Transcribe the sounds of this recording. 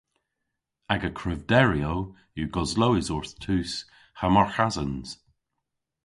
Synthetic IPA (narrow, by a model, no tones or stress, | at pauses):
aɡəkʰɹɪvdɛɹiow | juɡɔzlowɪzɔɹθtʰʉːs | hamaɹxazənz̥